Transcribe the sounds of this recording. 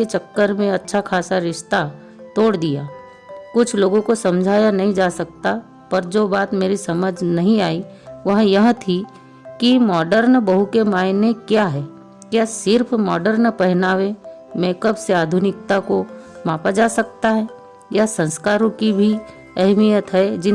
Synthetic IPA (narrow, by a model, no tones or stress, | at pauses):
et͡ʃɐkːəɾmẽɐtːʃʰakʰaːsaɾɪʃt̪a | t̪oːɽd̪ijaː | kʊt͡ʃʰloːɡõkosɐ̃md͡ʒʱaːjanɐɦĩd͡ʒaːsɐkt̪a | pɐɾd͡ʒoːbaːt̪meːɾisɐməd͡ʒnɐɦĩaːiʋɐɦjɐɦt̪ʰi | kimɔːɖəɾnbɐɦukemaːɪnekjaːɦɛː | kjaːsɪɾpʰmɔ̰ːɖəɾnpɛɦɪnaːʋẽmeːkəbseaːd̪ʱʊnɪk̚t̪akomaːpad͡ʒaːsɐk̚t̪aɦɛ | jasɐ̃nskaːɾõkibʱi | ɛɦmijət̪ɦɛd͡ʒɪ